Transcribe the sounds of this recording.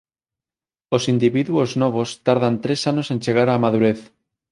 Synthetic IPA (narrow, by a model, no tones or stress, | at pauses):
osind̪iβiðuoznoβ̞ost̪aɾðant̪ɾe̞sanose̞nt͡ʃe̞ɣ̞aɾamaðuɾeθ